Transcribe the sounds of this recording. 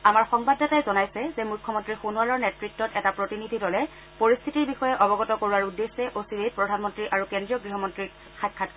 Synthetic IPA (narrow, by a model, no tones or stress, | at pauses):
amaɹxɔŋbadːatajzɔnajsɛzemukʰːɔmɔntɹixunualɔɹnɛtɹik̚tɔtɛtapɹotinidʱidɔlɛ | poɹist̪ʰitiɹbixɔjɛʔɔbɔɡɔtɔkoɹuaɹudːesːɛʔosiɹet̚pɹɔdʱanmɔntɹiʔaɹukendɹijɔɡɹiɦɔmɔntɹi | xajkʰːat